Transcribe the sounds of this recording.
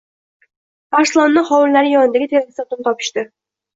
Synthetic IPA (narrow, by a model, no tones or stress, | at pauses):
baɾsɪlˠɒnːɪχɒwʊllaɾɪjɒnɪd̪aɡʲɪt̪ʰeɾɡʲɪsat̪ʰʊnt̪ɒpʰɪ̥ʃt̪ɪ